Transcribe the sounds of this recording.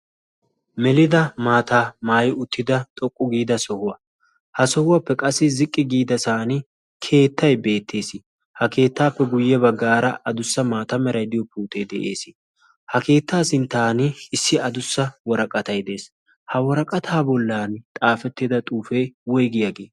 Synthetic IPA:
mɛlɪd̪ɐmaːt̪aːmaːjɪʊt̪ːɪd̪ɐt̪ʼɔkʼːʊɡiːd̪ɐsɔhʊwɐ | hɐsɔhʊwapːɛkʼɐsːɪzɪkʼːɪɡiːd̪ɐsaːnɪ | kʰe̞ːt̪ːɐjbe̞ːt̪ʰːe̞ːsɪ | hɐke̞ːt̪ːaːpːɛɡʊjːɛbɐɡːaːɾɐʔɐd̪ʊsːɐmaːt̪ɐmɛɾɐjd̪ɪjɔpːɛʊt̪ːed̪ɛʔe̞̰ːsɪ̥ | hɐke̞ːt̪ːaːsɪnt̪aːnɪɪsːɪɐd̪ʊsːɐwɔɾɐkʼɐt̪ɐjd̪e̞ːs | hɐwɔɾɐkʼɐt̪ʰaːbɔlːaːnt̪ʼaːfɛt̪ːɪd̪ɐt̪ʼuːfejwɔjɡɪjɐɡeː

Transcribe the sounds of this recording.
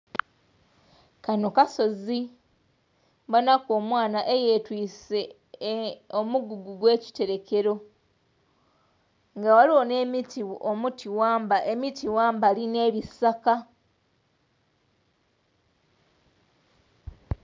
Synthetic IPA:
kano̞kaso̞zi | βanakoːmwaːnaʔe̞je̞twiːse | omuɡuɡuɡwe̞ːci̥te̞ɾe̞ke̞ɾo̞ | ŋɡawaliwo̞ne̞ːmitiʔomutʰiwaːmbaʔe̞mitiwaːmbaline̞ːβisaka

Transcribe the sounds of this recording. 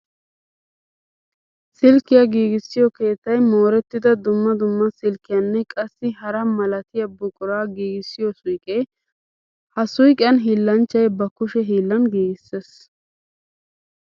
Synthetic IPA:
sɪlkːɪjɐɡiːɡɪsːɪjɔke̞ːt̪ːɐjmoːɾɛt̪ːɪd̪ɐd̪ʊmːɐd̪ʊmːɐsɪlkːɪjɐnːɛkʼɐsːɪhɐɾɐmɐlɐt̪ɪjɐbʊkʼʊɾaːɡiːɡɪsːɪjɔsʊjkʼɛ | hɐsʊjkʼɪjɐnɦiːlːɐnt͡ʃːɐjbɐkʊʃɛɦiːlːɐnɡiːɡɪsːes

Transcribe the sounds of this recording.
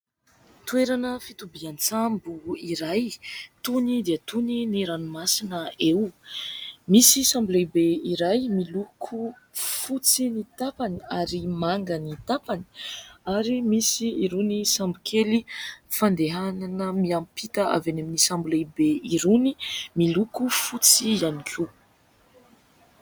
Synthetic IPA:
t̪ueɾanəfit̪ubiant͡sambuiɾajt̪unid̪iət̪uniniɾanumasinəew | misisambulejbeiɾajmilukʰu | fut͡sinit̪apaniaɾimaŋɡənit̪apani̥aɾimisiiɾunisambikʰelifand̪eɦananəmiampit̪əa̰vaneminisambulejbeiɾunimilukufut͡sianikʲʰu

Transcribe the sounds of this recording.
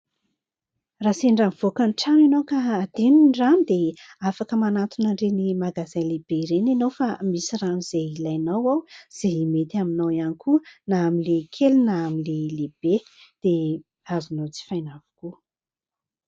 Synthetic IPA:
raseɳɖ͡ʐanv̥okənʈ͡ʂanenowkaːd̪̥eninɖ͡ʐand̪eafakəmanat̪unaɳɖ͡ʐenimaɡazajleb̥eiɾenenowfamisiraniz̥eilajnawawz̥eimet̪iaminawianikuənaːmilekʰelunaːmileleb̥e | d̪̥e | azunowt͡si̥fajnavu̥ku

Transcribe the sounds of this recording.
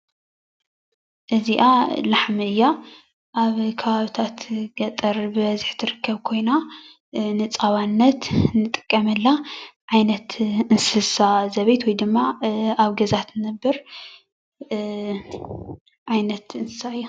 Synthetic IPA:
ʔɨziʔalaħmɨɨjːa | ʔaβkʰɐβaβit̪ʰat̪ɡ̥ɐt̪ʼɐɾbɨβɐziħt̪ʰɨɾɨkːɐβkʰo̞jna | nɨt͡sʼaβanːɐt̪nɨt̪ʼɨ̥kʼːɐmɨlːaʕajnɐt̪ɨnsɨsazɐβɐjt̪wɔjd̪ɨmːaaβɡɐzat̪nɐbːɨɾ | ʕajnɐt̪ɨnsɨ̥saɨjːu

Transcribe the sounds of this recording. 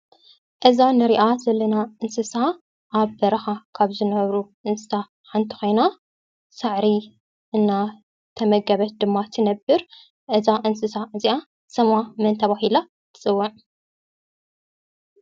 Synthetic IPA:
ʔɨzanɨɾiʔazɐlːɐnaʔɨnsɨsa | ʔaβbɐɾɐxakʰaβzɨnɐβɾuʔɨnsɨ̥sa | ħant̪ʰi̥xʷo̞jna | sɨʕɾi | ʔɨnːa | t̪ʰɐmɐɡɐβɐt̪̚d̪ɨmːat̪ʰɨnɐbɨɾ | ʔɨzaʔɨnsɨsaɨziʔa | sɐmamɨnt̪ʰɐβahila | t̪ʰɨ̥t͡sʼɨwːɐʕ

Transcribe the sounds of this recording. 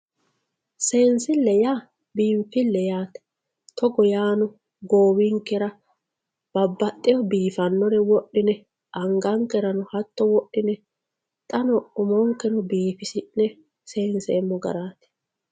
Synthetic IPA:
se̞ːnsɪlːɛjaː | biːmfɪlːɛjaːt̪ɛ̥ | t̪ʰɔɡɔjaːnʊ | ɡoːwiŋkːɛɾɐ | b̥ɐbːɐt̪ʼːɪjɔbiːfɐnːɔɾɛwɔɗːɪnɛ | ʔɐŋɡɐŋkɛɾɐnɔhɐt̪ːɔwɔɗːɪnɛ | t̪ʼɐnɔʊmɔŋkːɛnɔbiːfɪsɪʔnɛ | se̞ːnseːmːɔɡɐ̰ɾaːt̪ɛ̥

